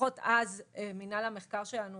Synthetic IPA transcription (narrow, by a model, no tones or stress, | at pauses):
otazeminalameχkaʁʃelanu